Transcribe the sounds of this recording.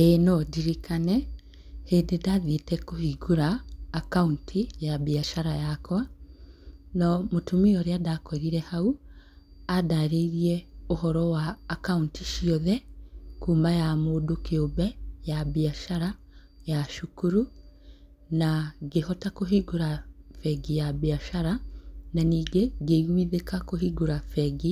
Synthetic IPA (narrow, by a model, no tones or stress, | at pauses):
enɔdiɾikanɛ | heːndedaðetɛkohiɡuɾaːkauntʰijabiaʃaɾajakwa | nɔmotumiɔɾeadakɔɾiɾɛhau | adaɾeiɾiɛohɔɾɔwaːkauntiʃiɔðɛkuːmajamoːdokeobɛjaβeaʃaɾa | jaʃukuɾu | naɡehɔtakoɦiɡuɾafɛɡijabeaʃaɾananiːɡeɡeɣwiðekakoɦiɡuɾafɛɡi